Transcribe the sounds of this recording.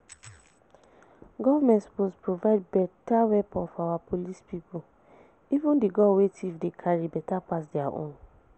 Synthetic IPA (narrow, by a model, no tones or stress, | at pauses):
ɡɔvamɛ̃ntsbospɹovaɪd̚bɛtawɛpɔ̃nfɔawapolispipu | ivũndiɡɔwetifdekʰaɹibɛtapas̬diaʔõ̰n